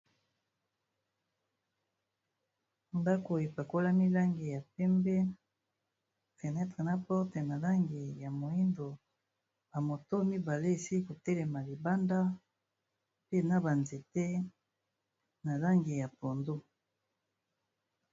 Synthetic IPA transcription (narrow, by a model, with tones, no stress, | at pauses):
nda˦ko˨e˨pa˨ko˦la˦mi˦la˦ŋɡi˨ja˨pɛ˦mbɛ˦ | fɛ˨nɛ˦tʁe˨na˦pɔ˦ʁte˨na˨la˦ŋɡi˨ja˨mo˨i˦ndo˨ | ba˨mo˨to˦mi˦ba˨le˦e˨si˦i˦ko˨tɛ˦lɛ˨ma˨li˨ba˦nda˦ | pe˦na˨ba˨nze˨te˦ | na˨la˦ŋɡi˨ja˨po˨ndo˦